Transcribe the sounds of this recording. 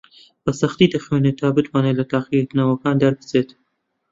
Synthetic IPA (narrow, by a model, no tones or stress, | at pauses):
b̥ɐsɐxt̪id̪ɐxwenet̪ʰaːbɨt̪wɑːneːlɐt̪aːqit̪nɐwɐkaːnd̪ɐɾbɨ̥zeːt̪